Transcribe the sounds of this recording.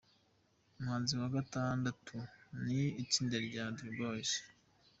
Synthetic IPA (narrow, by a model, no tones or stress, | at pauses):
umhaːnziwaɡataːndatʰuniːciːndeɾɟadɾibos